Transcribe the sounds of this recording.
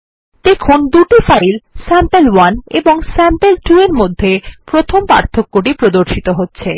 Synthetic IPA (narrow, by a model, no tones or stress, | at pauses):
d̪ekʰond̪uʈifajilsɛmpelwaneboŋsɛmpelʈueɾmod̪ʱːepɾot̪ʰompa̰ɾt̪ʰokːoʈipɾod̪oɾʃit̪oɦotːɕʰe